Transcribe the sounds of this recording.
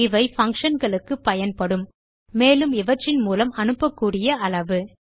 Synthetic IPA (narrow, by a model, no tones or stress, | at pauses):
ɪʋɐɪfɐŋkʂɐnɡɐɭɯkːɯpːɐjɐnpɐɽɯmː | eːlɯmɪʋɐʈrːɪnmuːlɐmɐnɯpːɐkːuːɽɪjɐɐlɐʋɯ